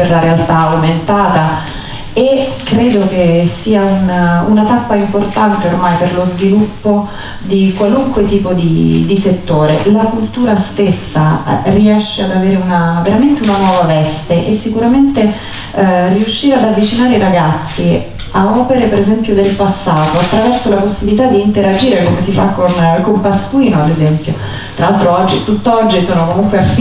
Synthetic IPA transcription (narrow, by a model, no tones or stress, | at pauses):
perlaɾealt̪aument̪aːt̪a | ekːɾeːd̪ok̟esiːaununat̪apːaimport̪ant̪eormajperlozvilupːo | d̪ikwaluŋkwet̪iːpod̪ḭd̪iset̪ːoːɾelakult̪uːɾast̪esːa̰riɛʃːead̪aveːɾeunaveɾament̪eunanwɔːvavɛst̪eʔesːikuɾament̪e | riuʃːiːɾead̪avːit͡ʃinaːɾeiɾaɡat̪sːi | aɔːpeɾepeɾezɛmpjod̪elpasːaːt̪oat̪ːɾavɛrsolaposːibilit̪ad̪iːnt̪eɾad͡ʒiːɾekomesifa̰kːonkompaskwiːnoad̪ezɛmpjo | t̪ɾalalt̪ɾoɔd͡ʒːit̪ut̪ːɔd͡ʒːisoːnokomuŋkweaf